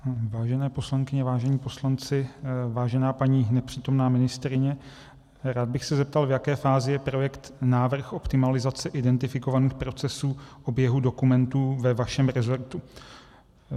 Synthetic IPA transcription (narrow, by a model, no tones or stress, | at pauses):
vaːʒɛnɛːpo̞slaŋkɪɲɛvaːʒɛɲiːpo̞slant͡sɪvaːʒɛnaːpaɲiːnɛpr̝̥iːt̪o̞mnaːmɪnɪst̪ɾɪɲɛ | ɾaːd̪̚bɪxsɛzɛp̚t̪alvjakɛːfaːzɪjɛpɾo̞jɛkt̪naːvr̩xo̞pt̪ɪmalɪzat͡sɛʔɪdɛnt̪ɪfɪko̞vaniːxpɾo̞t͡sɛsuːʔo̞bjɛɦudo̞kumɛnt̪uːvɛvaʃɛmɾɛzoɾt̪u